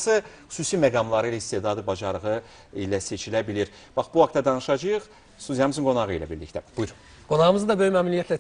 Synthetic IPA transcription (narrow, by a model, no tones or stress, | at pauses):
sɯxu̥suːsimæɡɑmlˠɑɾɯilæist̪ed̪ɑd̪ɯbɑd͡ʒɑɾɯʁɯ | ilæse̞t͡ʃʰilæbiliɾ | b̥ɑχbuhɑkt̪ɑd̪ɑnɯʃɑd͡ʒɯjɯχ | st̪uzjɑmɯzɯŋɡo̞nɑʁɯḭlæ̰biɾlḭct̪æb̥ujuɾ | ɡo̞nɑʁɯmɯzɯd̪ɑbøjymæːmilijæt̪læ